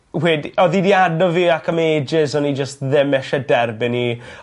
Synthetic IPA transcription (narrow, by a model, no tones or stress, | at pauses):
wɛːdɔðidiadɔviːakʰəmeːd͡ʒɪsɔnid͡ʒəstðɪmɛʃɛdɛrbɪni